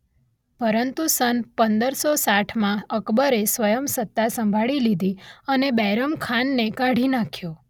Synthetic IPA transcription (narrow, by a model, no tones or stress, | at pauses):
pəɾənt̪usənpənd̪əɾsosaʈʰmãəkbəɾesʋəjəmsət̪ːasəmbʱaɭilid̪ʱiənebɛɾəmkʰanːekaɽ̤ʱinakʰjo